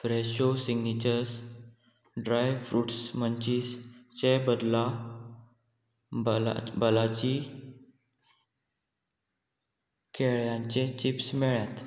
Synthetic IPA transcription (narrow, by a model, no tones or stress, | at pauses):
fɾɛɕosiɡnit͡ɕəɾs | ɖɾajʋfɾuːʈsmənt͡ɕiːst͡ɕebəd̪la | b̰bəlat͡ɕi | kʰeɭjãɲt͡ɕẽt͡ɕipsmɛɭjat̪